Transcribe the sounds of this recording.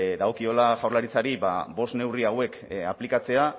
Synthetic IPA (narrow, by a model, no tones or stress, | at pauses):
d̪aɣo̞kio̞laʝawɾrlaɾit͡saɾiba̰bo̞stne̞wriawe̞kaplikat͡se̞a